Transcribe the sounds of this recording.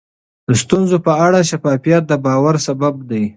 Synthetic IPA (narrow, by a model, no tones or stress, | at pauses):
d̪əst̪unzopəaɽaʃafɑfijat̪̚d̪əbɑwaɾsababd̪aj